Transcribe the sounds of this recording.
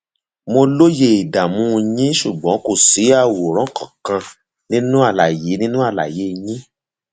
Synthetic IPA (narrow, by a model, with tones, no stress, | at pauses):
mo˧lo˦je˦˨i˨da˨mũ˦˧jĩ˦ʃu˦˨ɡ͡bɔ̃˨˦ko˦˨si˨˦a˦˨wo˨ɾ̃ɔ̃˨˦˨kɔ̃˨kã˧ | nĩ˦nũ˦a˦˨la˨je˨˦nĩ˦nũ˦a˦˨la̰˨je˨˦˧jĩ˦